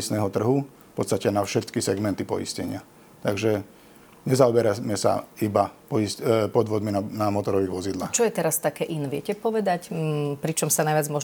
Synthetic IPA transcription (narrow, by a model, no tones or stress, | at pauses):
isnɛːɦɔt̪r̩ɦu | fpɔt̪st̪acɛnafʃɛt̪kisɛɡmɛnt̪ipɔ̰ḭscɛ̰ɲɪa | t̪aɡʒɛ | ɲɛzaɔbɛɾamɛsa̰ibapɔispɔd̪ʋɔd̪minanamɔt̪ɔɾɔʋiːɣʋɔzid̪laːxt͡ʃɔjɛt̪ɛɾast̪akɛːʔinɛʋɪɛcɛpɔʋɛd̪acpɾit͡ʃɔmsanajʋad͡zmɔʒ